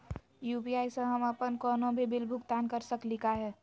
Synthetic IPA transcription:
juːpiaːisə̃ɦəməpənkɔːnõbʱibɪlbʱʊɡt̪aːnkəɾsəklɪkaɦɛː

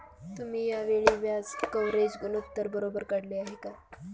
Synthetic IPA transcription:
t̪um̤iːjaʋeɭiʋjad͡zkəwɾed͡ʑɡunupt̪əɾbəɾobəɾkəɽleaɦeka

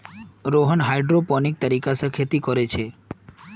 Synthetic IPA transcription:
ɾoɦənɦajɖɾopɔnik̚t̪aɾikasəkʰjit̪ikoɾet͡ɕʰe

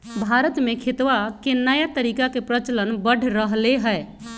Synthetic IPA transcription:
bʱaɾət̪mekʰet̪ʋakenəjat̪əɾikakepɾət͡ʃələnbəɽ̤ʱɾəɦleɦəe

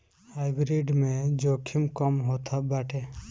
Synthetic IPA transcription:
haɪbɾiɖmẽd͡ʒoːkʰimkɔmɦot̪ʰabaːʈʰe

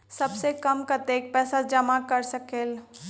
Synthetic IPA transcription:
sɐbsekəmkat̪eːk̚pɛːsad͡ʒəmakəɾsəkeːl

